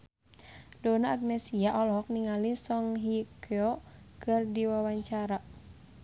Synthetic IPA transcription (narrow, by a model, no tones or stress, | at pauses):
dɔnaːɡ̚nɛsiaʔɔlɔk̚niŋalisɔŋɦikʰɛɔkɨrdiwawaɲt͡ʃaɾa